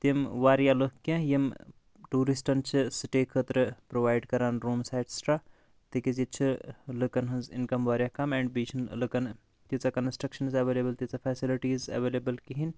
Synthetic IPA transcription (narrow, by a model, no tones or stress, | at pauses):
t̪imʋaːɾjalokːɐ̃jɐm | ʈuːɾisʈɐnt͡ʃʰɨsɨʈekʰət̪ɾɨpɾoʋaːjɖkɐɾaːnɾuːmsaːjʈsʈɾaː | t̪ikizit͡ʃʰɨlɨkɐnɦɐnzḭnkɐmʋaːɾjakɐmɛːɳɖbiːt͡ʃʰɐnlɨkɐn | t̪it͡sɐkɐnsʈɾɐkʃɐnzɐʋeːlebɐlt̪it͡safʰɛːsiliʈiːzɐ̰ʋeːleːbəlkiɦin